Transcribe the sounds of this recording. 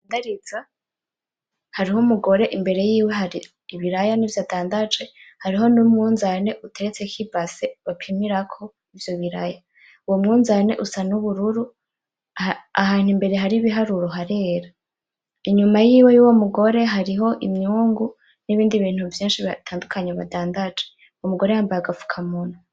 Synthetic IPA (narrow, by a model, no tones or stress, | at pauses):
daɾiza | haɾihomuɡo̞ɾe̞ʔimbe̞ɾe̞jiːwe̞ɦaɾiː | βiɾajanivjaːtʰaːndad͡ʒwe̞haɾiɦo̞numŋuːnzane̞ʔutʰe̞ɾet͡se̞kʰibvaseβapʰimiɾakʰo̞ | ivjo̞βiɾaja | uwo̞mŋuːnzane̞̰ʔusanuβuɾuɾu | aɦaːn̥himbe̞ɾe̞ɦaɾiβiɦaɾuɾoɦaɾe̞ɾa | iɲumajiːwe̞juwo̞muɡo̞ɾe̞ɦaɾiɦo̞ʔimɲuːŋɡu | niβiːndiβiːn̥huvjiːnʃiβatʰaːndukʰaɲeβa̰daːndad͡ʒe | uwomuɡo̞ɾe̞haːmbajaɡafu̥kʰamona